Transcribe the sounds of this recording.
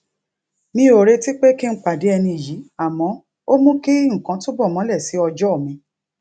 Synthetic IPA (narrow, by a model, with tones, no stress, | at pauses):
mĩ˧˦o˨ɾe˧ti˦k͡pe˦ki˦n̩˦k͡pa˨de˨˦ɛ˧nĩ˧i˨ji˨˦a˨mɔ̃˨˦ | o˦mũ˦ke˦ŋ̩˨kã˨˧˦to˦bɔ˦˨mɔ̃˨˦lɛ˦˨si˨˦ɔ˧d͡ʒɔ˦˨mĩ˧˦